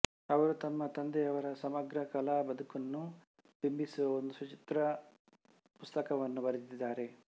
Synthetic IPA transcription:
ɐʋɐɾut̪ɐmːɐt̪ɐnd̪eɐʋɐɾɐsɐmɐɡɾɐkɐlabɐd̪ukunːu | p̪imbisuʋɐond̪usɐt͡ʃit̪ɾɐ | pust̪ɐkɐʋɐnːubɐɾit̪id̪ːaːɾe̞

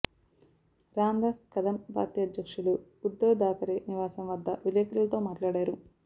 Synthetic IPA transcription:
ɾaːmd̪aːskɐd̪ɐmbʱa̰ːɾt̪ijɐd̪jɐkʂuluː | d̪ːɐwd̪aːkɐɾiniʋaːsɐmʋɐd̪ːɐʋileːkɐɾɐlɐt̪o̞ːmaːʈlaːɽaːɾu

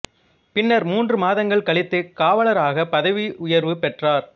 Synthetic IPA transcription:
pɪnːɐɾmuːndrɯmaːðɐŋɡɐɭkɐɭɪt̪ːɯkaːʋɐɭɐɾaːɣɐpːɐðɐʋiʊjɐɾʋɯpɛʈraːɾ

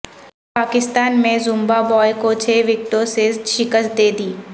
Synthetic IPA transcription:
paːkɪst̪aːnmẽzʊmbabɔːjkot͡ʃʰeːʋɪk̚ʈoseʃɪkəst̪̚d̪eːd̪iː

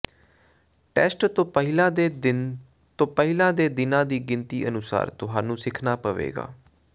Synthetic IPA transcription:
ʈɛːsʈt̪õːəɦɪlãː | t̪õːpəɦɪlãːd̪eːd̪ɪnãːd̪iːɡɪnt̪iːʔənʊsa̰ːɾt̪ʊɦaːnũːsɪkʰnaːpəʋḛːɡa̰ː

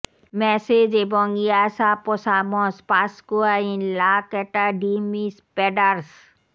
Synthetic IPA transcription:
mɛsed͡ʑebɔŋiasapɔsamɔ̃spaskuainlakɛʈaɖimispɛɖaɾs

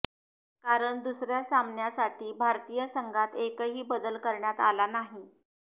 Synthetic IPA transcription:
kaɾəɳd̪usɾjasamnjasaʈʰiːbʱaɾt̪iːjəsəŋɡʱat̪ekəɦiːbəd̪əlkəɾɳjat̪alanaɦi

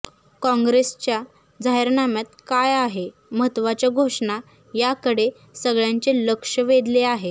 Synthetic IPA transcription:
kɔ̃ŋɡɾest͡ɕja | d͡zaɦeɾnamjat̪kajaɦe | məɦət̪ʋat͡ɕjaɡʱoʂɳa | jakəɽe | səɡɭjãɲt͡ɕeləkʂəʋed̪leaɦe

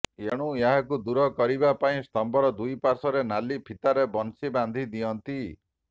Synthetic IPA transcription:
eɽ̃ũeɦakud̪uɾɔkɔɾibapaĩst̪ɔmbɔɾɔd̪ujpaɾsɔɾenalipʰit̪aɾebɔnsiband̪ʱid̪ijɔnt̪i

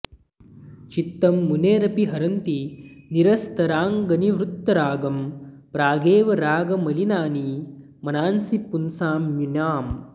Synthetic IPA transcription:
t͡ʃit̪ːɐmːuneːɾɐpiɦɐɾɐnt̪iniɾɐst̪ɐɾaːŋɡɐniʋɾut̪ːɐɾaːɡɐmpɾaːɡeːʋɐɾaːɡɐmɐlinaːni | mɐnaːnsipunsaːmjinjaːm

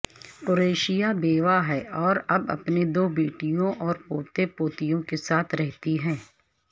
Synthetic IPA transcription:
poɾeːʃijabeːʋaɦɛɔːɾɐbɐ̰pned̪oːbeːʈijõʔɔːɾpoːt̪epoːt̪ijõkesaːt̪ʰɾɛɦt̪iɦɛ̃ː

